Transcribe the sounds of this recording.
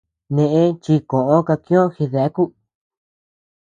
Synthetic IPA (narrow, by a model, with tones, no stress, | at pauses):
nẽ˧ʔẽ˦t͡ʃi˧kõ˨ʔõ˦ka˧kĩ˦õ˦xi˧ða˦ku˦